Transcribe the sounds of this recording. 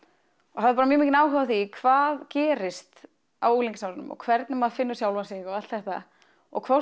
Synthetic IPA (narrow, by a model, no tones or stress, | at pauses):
ɔɣhaðɪpaːɾamjɛmicɪnaːwɦʏvaθikʰvaːðcɛːɾɪst̪ | awuːliŋcɪsawɾʏnʏ̰mɔ̰ɣkʰvɛɾt̪nʏmaðfɪnːʏsjawlvasɪɣɔɣalt̪θɛht̪a̰ | ɔ̰ɣkʰvɔ